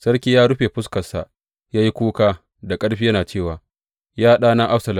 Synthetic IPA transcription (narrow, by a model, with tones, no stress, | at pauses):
sɐ˦ɽkʲiː˦jaː˦ɽʊ˦ɸeː˨ɸʊ˦skɐ˨sa̰˨ʔ | jaː˦ji˦kʷuː˦kaː˦ | da˨kʼɐ˦ɽɸiː˦jɐ˦naː˨t͡ʃeː˦˨waː˨ | jaː˦ɗaː˦na˦ʔa˦ɸsɐ˨l